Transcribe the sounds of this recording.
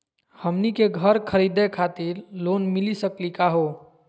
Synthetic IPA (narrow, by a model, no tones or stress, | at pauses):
həmnikeɡʱəɾkʰəɾid̪ekʰat̪iɾlonmilisəklikaɦo